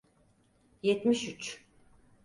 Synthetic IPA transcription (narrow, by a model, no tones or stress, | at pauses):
jɛt̪miʃyt͡ʃ